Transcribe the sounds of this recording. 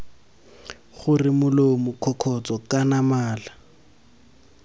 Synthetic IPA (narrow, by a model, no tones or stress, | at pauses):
χʊrɪmʊlomʊkʰɔkʰɔt͡sɔkanamaːla